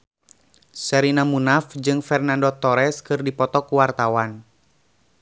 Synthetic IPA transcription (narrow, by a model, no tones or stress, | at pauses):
sɛɾinamunafd͡ʒɨŋfɛrnandot̪ɔɾɛskɨrdipɔt̪ɔkuwart̪awan